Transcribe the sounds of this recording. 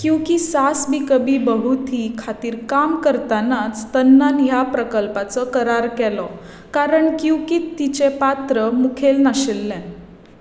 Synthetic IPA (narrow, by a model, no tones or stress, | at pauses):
kĩw̃kisasbikəbiːbəɦut̪ʰikʰat̪iːɾkamkəɾt̪anat͡st̪ənːanjapɾəkəlpat͡səkəɾaɾkɛlɔ | kaɾəɳkĩw̃kiːt̪ːit͡ɕepat̪ɾəmukʰelnaɕelːɛ̃n